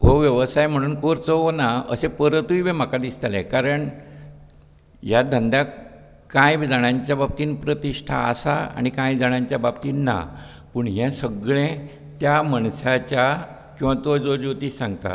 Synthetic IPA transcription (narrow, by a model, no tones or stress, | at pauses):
ɦoʋjəʋəsajm̤əɽ̃uːnkoɾt͡soɦonaə̰sepəɾət̪uibẽm̤akad̪ist̪alḛkaɾəɳ | jad̪ʱənd̪ja | kãjbid͡zaɳ̃aɲt͡ɕjabab̚t̪iːnpɾət̪iʂʈʰa̰ːsa̰a̰ɽ̃ikãjd͡zaɽ̃ãɲt͡ɕjababt̪iːnːa̰ | pəɳɦɛ̃səɡɭẽ | t̪jaməɳsat͡ɕja | kĩw̃ʋat̪od͡zod͡ʑot̪iːsãŋɡt̪a̰